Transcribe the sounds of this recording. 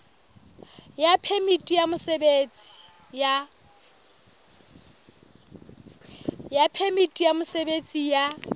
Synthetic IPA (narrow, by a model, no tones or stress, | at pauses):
japʰemitʼijamʊsebet͡sʼi̥ | ja | japʰemitʼijamʊsebet͡sʼija